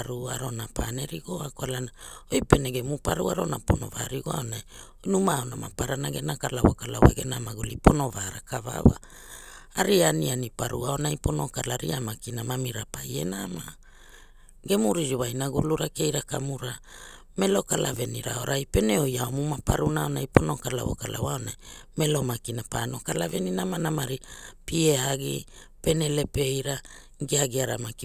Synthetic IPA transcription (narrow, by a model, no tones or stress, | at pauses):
aɾua̰ɾo̞napʰane̞ɾiɡoakoalanaojpe̞neɡe̞mupaɾṵaɾo̞napo̞no̞̰va̰ɾiɡoaonaj | numaonamapaɾanaɡe̞nakalawakalawaɡe̞namaɡulipo̞no̞vaɾakava̰wa̰ | aɾianianipaɾuao̞najpo̞no̞kalaɾiamakinamamiɾapaje̞̰nama | ɡe̞muɾiɾiwajnaɡuluɾake̞jɾakamuɾa | me̞lo̞kalʔave̞niɾa̰o̞ɾʔajpe̞neojaomumapaɾunaonajpo̞nokala̰wo̞̰kala̰waonajmelo̞makinapano̞kalaveninamanamaɾipieaɡḭ | pe̞nele̞pe̞jɾa | ɡiaɡiaɾamaki